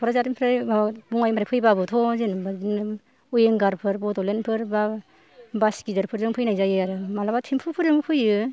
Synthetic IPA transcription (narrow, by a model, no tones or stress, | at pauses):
bʰɔɾazaɾimpʰɾajabuŋajmpʰɾapʰɯjbabɯtʰɔzenbazinɯ | ujeŋɡaɾpʰɯɾbɔdɔlenpʰɯɾba | basɡidɯɾpʰɯɾzɯŋpʰɯjnajzajɯaɾɯmalabatʰimpʰɯpʰɯɾɯmɯpʰɯjɯ